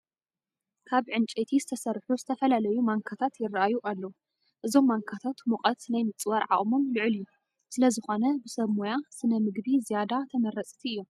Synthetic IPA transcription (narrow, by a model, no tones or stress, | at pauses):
kʰaβʕɨnt͡ʃʼet̪ʰizɨt̪ʰɐsɐrħuzɨt̪ʰɐfɐlalɐjumaŋkʰat̪ʰat̪jɪrːaʔajuʔalːɐwu | ʔɨzo̞mːaŋkʰat̪ʰat̪muqʼɐt̪najmɨt͡sʼwɐɾʕa̰ʔʼmomlɨʕɨlju | sɨlɐzɨxo̞nɐbɨsɐβmojasɨnɐmɨɡbizijad̪at̪ʰɐmɐɾɐt͡sʼt̪ʰiʔɨjːo̞m